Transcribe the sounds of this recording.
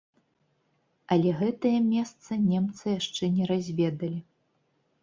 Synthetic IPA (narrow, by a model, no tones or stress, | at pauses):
ɐlʲɛɣɛt̪ɐjɐmʲɛst̪sɐnʲɛmt̪sɨjaʂt͡ʂɛnʲɛɾazʲvʲɛd̪ɐlʲi